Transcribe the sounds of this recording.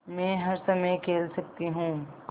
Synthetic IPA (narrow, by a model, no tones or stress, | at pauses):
mɛ̃ːɦɐɾsɐməjkʰeːlsɐkt̪iɦũː